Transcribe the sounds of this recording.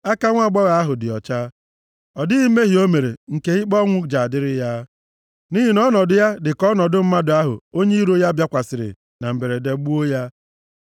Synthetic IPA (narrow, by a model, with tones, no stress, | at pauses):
a˦ka˦ŋʷa˦˨ɡ͡bɔ˦ɣa˨a˦ɦʊ˨dɪ˨ɔ̰˨t͡ʃa˦ | ɔ˨dɪ˦ɣi˦me˦ɦi˨o˦me˨ɾḛ˨ŋ̩˨ke˦ɪ˦k͡pɔ˦ŋʷʊ˦d͡ʒa˨dɪ˦ɾɪ˦ja˦ | ni˦ɦi˨nɔ˦nɔ˨dʊ˦ja˦dɪ˨kɔ˦nɔ˨dʊ˦m̩˦ma˦dʊ˨a˦ɦʊ̰˨o˦ɲe˦i˦ɾo˦ja˦bja˦kʷa˨sɪ˨ɾɪ̰˨ | na˨m̩˨be˨ɾe˨de˨˦ɡ͡bu˦o˦ja˦